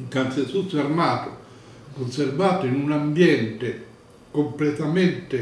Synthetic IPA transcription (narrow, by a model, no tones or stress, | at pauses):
kant̪sesusːarmaːt̪ʊ | konservaːt̪ʊinunambjɛnt̪ɪ | komplɛt̪amɛnt̪ɪ